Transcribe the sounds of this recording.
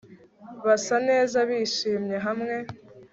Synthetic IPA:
βasane̞ːzaβiːʃiːmɲe̞ɦamŋe̞

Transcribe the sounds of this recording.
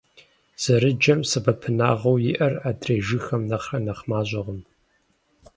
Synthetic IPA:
z̥ɐɾɨd͡ʒɐmsɨbɐpʰɨnaːʁɐwjɪʔɐraːdreːʒɨxɐmnɐχrɐnɐχmaːʑɐʁəm

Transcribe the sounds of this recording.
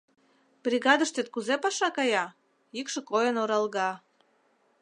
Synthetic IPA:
b̥rʲiɣɑd̪əʃt̪et̪̚kuzepɑʃɑkɑjɑ | ikʃɤ̆kojənoɾɑlɣɑ

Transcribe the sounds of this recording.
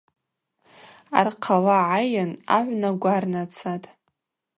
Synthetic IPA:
a̰rqʰalaʕajana̰ʕʷnaɡʷarnat͡sʰatʼ

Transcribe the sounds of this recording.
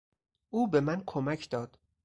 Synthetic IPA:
ʔuːbe̞mænkʰomæcʰd̪ɒːd̪̥

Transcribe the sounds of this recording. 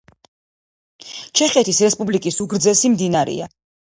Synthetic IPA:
t͡ʃʰɛχɛt̪ʰisɾɛspʼublikʼisuɡɾd̪zɛsimd̪inaɾɛ̰a

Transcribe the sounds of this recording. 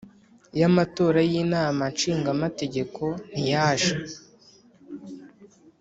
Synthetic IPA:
jamato̞ːɾajiːnaːmanʃiːŋɡamate̞ɟe̞kʰo̞n̥ijaːʒa

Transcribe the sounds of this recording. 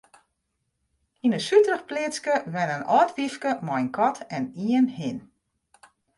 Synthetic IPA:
inəsytrəxplɪt͡skəʋɛnənʔɔːtʋifkəmɔjnkʰɔtʰɛniənhɪn

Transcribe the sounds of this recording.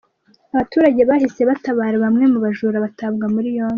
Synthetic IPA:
aβatuːɾaɟe̞βaːhise̞βataβaːɾeβamŋe̞muβaʒuːɾaβataβɡamuɾijoːn

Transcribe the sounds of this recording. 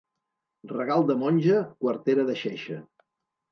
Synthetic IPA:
rəɣalˠd̪əmɔnʲʒəkwəɾt̪eɾəðəʃeʃə

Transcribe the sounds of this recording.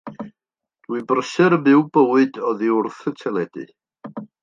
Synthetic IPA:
d̥wibrəsɨɾəbɪwbəwɨdɔðiʊrθətʰɛlˠɛd̥ɨ̰

